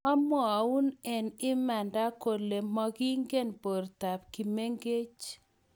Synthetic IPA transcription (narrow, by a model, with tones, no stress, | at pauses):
a˦mɔ˨u˦nɛ˨nɪ˦ma˨nda˦ko˨le˨mɔ˦ɡi˦ŋɡe˦npo˨rta˨p̚ki˨me˦ŋɡe˦t͡ʃ